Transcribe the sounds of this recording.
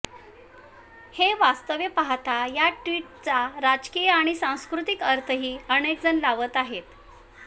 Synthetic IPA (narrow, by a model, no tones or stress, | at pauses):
heʋast̪əʋjəpaɦt̪ajaʈʋiʈ̚t͡saɾad͡zkijəaɽ̃isãw̃skɾut̪ikəɾt̪ʰəɦiːəɽ̃ek̚d͡zənlaʋət̪aɦet̪